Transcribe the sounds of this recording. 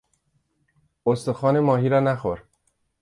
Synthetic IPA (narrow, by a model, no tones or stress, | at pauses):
ost̪oxɒːne̞mɒːɦiːɾɒːnæxoɾ